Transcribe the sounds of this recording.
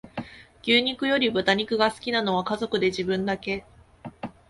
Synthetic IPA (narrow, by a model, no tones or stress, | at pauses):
kʲɨːɲ̟ikɯ̟jo̞ɾʲibɯ̟t̪aɲ̟ikɯ̟ɡasɨ̥kʲinano̞β̞akazo̞kɯ̟d̪e̞ʑibɯ̟̃nd̪ake̞